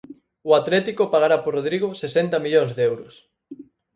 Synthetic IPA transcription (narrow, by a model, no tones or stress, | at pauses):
ʊat̪lɛt̪ikopaɣaɾaporoð̞ɾiɣʊsesɛnt̪amiʎoŋzðeɛwɾʊs